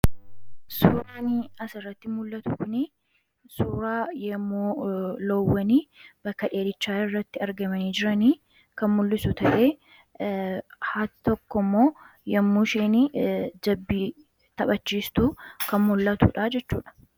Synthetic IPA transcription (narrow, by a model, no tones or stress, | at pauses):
suːɾaːniɐsɪrːɐt̪ːɪmʊlːɐt̪ʊkʊni | suːɾaːjɐmːuːlɔwːɐniːb̥ɐkːɐᶑe̞ːd̪ɪt͡ʃːaːɪrːɐt̪ːɪɐɾɡɐmɐniːd͡ʒɪɾɐniː | kɐnmʊlːɪsʊt̪ɐʔeː | haːt̪ɪt̪ɔkːɔmːo̞ː | jɐmːuːʃeːnɪd͡ʒɐbːiː | t̪ɐbɐt͡ʃːiːst̪uːkɐnmʊlːɐt̪ṵᶑaːd͡ʒɛt͡ʃːṵːᶑɐ̥